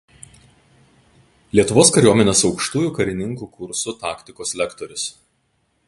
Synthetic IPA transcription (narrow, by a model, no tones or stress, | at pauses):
lʲiɛt̪ʊʋoːskɐɾʲuɔmʲɛnʲesɒʊkʃt̪uːjuˑːkɐɾʲɪnʲɪŋkuːkʊɾsʊt̪ɑːkt̪ʲɪkoːslʲɛkt̪ɔɾʲʊs